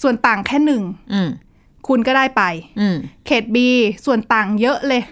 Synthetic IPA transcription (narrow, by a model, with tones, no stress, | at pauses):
su˨˩ənt̪aː˨˩ŋkʰɛː˥˩nɯ˨˩ŋʔ̩ː˨˩ | kʰu˧nkɔː˥˩daː˥˩jpa˧j̩ː˧˩kʰeː˨˩t̪̚biː˧su˨˩ənt̪aː˨˩ŋjɤ˦˥ʔlɤː˧j